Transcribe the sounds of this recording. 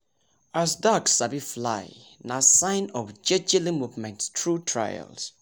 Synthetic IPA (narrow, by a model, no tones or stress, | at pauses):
asdaksabifla̰j | nasãɪ̃nɔfd͡ʒɛd͡ʒɛlĩmuvmɛ̃nttʰɹutʰɹa̰jə̰ls